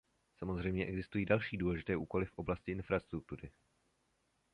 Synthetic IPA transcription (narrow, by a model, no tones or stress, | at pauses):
samo̞zr̝ɛjmɲɛʔɛɡzɪst̪ujiːdalʃiːduːlɛʒɪt̪ɛːʔuːko̞lɪfʔo̞blascɪɪnfɾast̪ɾuk̚t̪uɾɪ